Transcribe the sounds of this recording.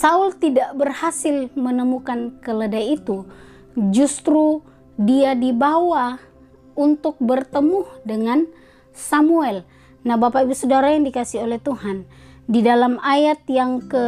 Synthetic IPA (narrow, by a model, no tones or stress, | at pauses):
sault̪idaʔbərhasɪlmənəmukankələdajit̪u | d͡ʒust̪ɾu | diadibawa | unt̪ʊk̚bərt̪əmuhdəŋan | samuɛl | nahbapaibusədaɾajaŋdikasiolɛht̪uhandidalamajat̪̚jaŋkə